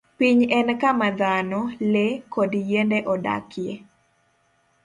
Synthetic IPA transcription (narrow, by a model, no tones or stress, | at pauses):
piɲɛnkamad̪anɔlekodjendɛʔɔda̰kje